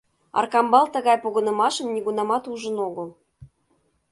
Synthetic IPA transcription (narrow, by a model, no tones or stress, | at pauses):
ɑ̰rkɑmbɑlt̪ɤ̆ɣɑjpoɣɤ̆nɤ̆mɑʃɤ̆mnʲiɣunɑmɑt̪uʒə̆noɣɤ̆l